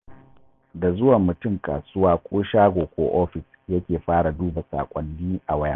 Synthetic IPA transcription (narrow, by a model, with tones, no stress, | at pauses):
da˨zʊ˦wa˨mːʊ˨tʊ˦ŋkʼa̰ː˨sʊ˦waː˦kʷʼoː˦ʃaː˦ɡʷoː˨kʷo̰ː˦ʔoː˦ɸɪ˨s | jɐ˦kʲeː˨ɸaː˦ɽa˨duː˦ba˨sa̰ː˨kʷʼɐ˨nːiː˦ʔa˨wɐ˦ja̰˦